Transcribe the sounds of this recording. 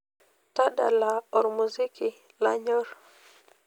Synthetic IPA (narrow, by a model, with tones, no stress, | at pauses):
ta˦da̰˨la˨ɔ˨ɾmuzi˦kʰi˨ | la̰˦ɲɔ˦ɾ